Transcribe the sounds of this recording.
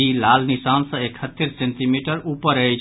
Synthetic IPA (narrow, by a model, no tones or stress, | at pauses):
ilalnisansə̃ekʰət̪ːiɾsẽnʈ̪imiʈəɾupəɾəjt͡ʃ